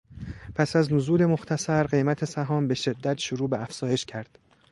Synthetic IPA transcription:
pʰæsæznozuːle̞mo̞xt̪ʰæsæɾɢe̞jmæt̪ʰe̞sæɦɒːmbe̞ʃe̞d̪ːæt̪ʃoɾuːbeæfz̥ɒːje̞ʃcʰæɾd̪̥

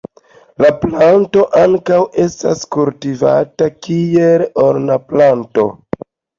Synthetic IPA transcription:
laplanto̞ʔaŋkawe̞sta̰skultiva̰takieloɾnaplanto̞̰

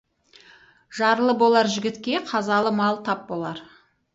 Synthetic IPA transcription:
ʒɑɾlˠəbo̞lˠɑɾʒɪɡʲɪt̪kʲe̞qʰɑzɑlˠəmɑlˠt̪ʰɑp̚bo̞lˠɑɾ

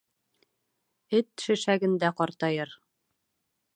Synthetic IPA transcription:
ɘt̪ʃɘ̆ʃæɡɘ̆nd̪æqɒɾt̪ɑjɤɾ

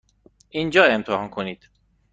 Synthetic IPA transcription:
ʔind͡ʒɒːe̞mt̪ʰehɒːnkʰoniːd̪̥

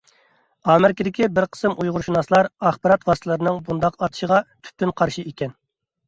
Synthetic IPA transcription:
ɑːmɪɾɪkʲid̪ɪkʲibɪɾqʰə̥sɨmʔujʁʊɾʃunɑslˠɑɾɑχbɑɾɑt̪wɑst̪ʰlˠɨɾɨnɨŋbund̪ɑqɑt̪ʰɨ̥ʃəʁɑt̪ʰy̥p̚t̪ynqʰɑɾʃiekʲɛn

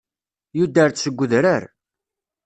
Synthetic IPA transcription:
jud̪əɾsəɡʷːəðɾəɾ

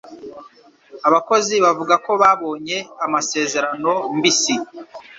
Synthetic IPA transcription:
aβako̞ziβavuɡako̞βaːβo̞ːɲe̞amase̞ːze̞ɾano̞mbisi

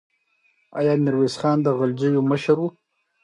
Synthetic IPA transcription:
ɑ̰jɑːnɪɾweːsχɑːnd̪əɣald͡ʒəjoməʃaɾwu

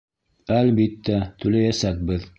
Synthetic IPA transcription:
ælbit̪ːæt̪ʉlæjæsæk̚bɘð

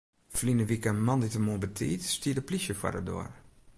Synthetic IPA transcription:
flinəʋikəmɑnditəmuəbətʰḭːtstiədəplisjəfwa̰dədo̰ər

